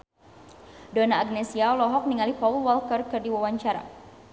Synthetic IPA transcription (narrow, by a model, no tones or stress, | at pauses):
dɔnaːɡnɛsiaɔlɔɦɔk̚niŋalipaulwalkərkɨrdiwawaɲt͡ʃaɾa̰